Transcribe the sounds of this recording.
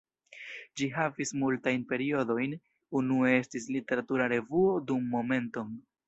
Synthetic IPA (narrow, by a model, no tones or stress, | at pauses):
d͡ʒiɦavismultajnpe̞ɾio̞do̞jn | unuee̞stislite̞ɾatuɾaɾe̞vuo̞dumːo̞me̞nto̞n